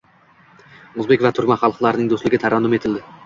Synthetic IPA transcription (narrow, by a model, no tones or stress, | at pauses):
ɵzbe̞kʲvat̪ʰʊɾkmaχɑlˠqlˠaɾɪnɪŋd̪oslɪɡʲɪt̪ʰaɾand̪ʊme̞t̪ʰɪld̪ɪ